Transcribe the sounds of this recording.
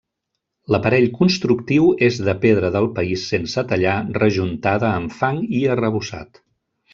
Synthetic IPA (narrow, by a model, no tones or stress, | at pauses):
ləpəɾɛʎkunst̪ɾuk̚t̪iwezðəpeð̞ɾəðəlˠpəisːensət̪əʎarəʒunt̪aðəːmfaŋiərəβusa̰t̪